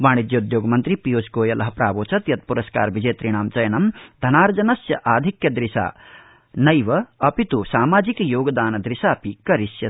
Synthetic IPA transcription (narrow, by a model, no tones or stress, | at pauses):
ʋaːɳid̪jɐud̪joːɡɐmɐnt̪ɾipijoːsɡoːjɐlʔɐɦɐpɾaːʋoːt͡ʃɐt̪jɐt̪̚puɾɐska̰ːɾʋid͡ʒɐːt̪ɾiɳ̃aːmt͡ʃɐjɐnɐmd̪ʱɐnaːɾɐd͡ʒɐnɐsjɐʔaːd̪ʱikjɐd̪ɾiʃa̰ː | nɐjʋɐɐpit̪usaːmaːd͡ʒikjoːɡɐd̪aːnɐd̪ɾiʃaːpikɐɾiʃjɐ